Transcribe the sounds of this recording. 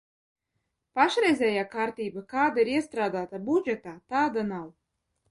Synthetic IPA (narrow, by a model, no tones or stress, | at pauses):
paʃɾɛjzʲɛːjaːkaɾt̪iːbakaːd̪aiɾiɛst̪ɾaːd̪aːt̪abud͡ʒɛt̪aːt̪aːd̪anaw